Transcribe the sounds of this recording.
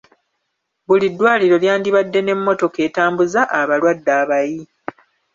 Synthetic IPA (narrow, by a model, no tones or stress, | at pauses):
βulidːwaːliɾo̞ljaːndiβadːe̞ne̞mːo̞to̞ke̞ːtaːmbuzaʔaβalwadːaːβaji